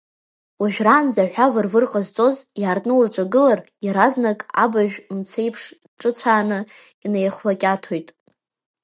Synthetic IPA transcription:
waʒᶣraːnd͡zaħʷᶣavɨrvɨrqʼazt͡sʼo̞zjaːrtʼnɨurʈ͡ʂʷʼaɡɨlarjaɾaznakʼa̰baʒᶣmt͡sʰe̞jpʰʂ | ʈ͡ʂʼɨt͡sʷʰaːnɨ | inejχʷlakʲʼatʰo̞jtʼ

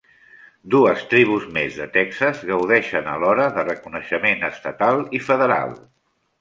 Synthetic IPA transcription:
d̪uəst̪ɾiβ̞uzmezðət̪ɛksəzɣəwðɛʃənəlɔɾəðərəkunəʃəmenəst̪ət̪alˠifəðəɾa̰lˠ

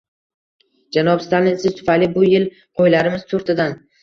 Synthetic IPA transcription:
d͡ʒanɒpst̪alɪnsɪz̥t̪ʰʊ̥fajlɪbʊjɪl | qʰojlaɾɪmɪz̥t̪ʰoɾt̪ʰɪd̪an

